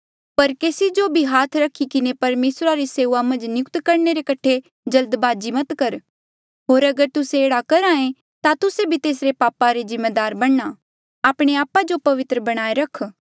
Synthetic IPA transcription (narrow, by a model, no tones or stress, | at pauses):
pɐɾkeːsid͡ʒobʱiɦaːt̪ʰɾɐkʰːikɪnepɐɾmeːsɾaɾiseːuamɐ̃nd͡ʒnjʊkt̪kɐɾneɾekɐʈʰe | d͡ʒɐld̪baːd͡ʒimɐt̪kɐɾ | ɦoːɾɐɡəɾt̪ʊseeːɽakɐɾãːẽ | t̪at̪ʊsebʱit̪eːsɾepaːpaɾezɪmːed̪aːɾbɐɽna | aːpɽ̃eaːpːad͡ʒopɐʋɪt̪ɾəbɐɽ̃aːeɾɐkʰ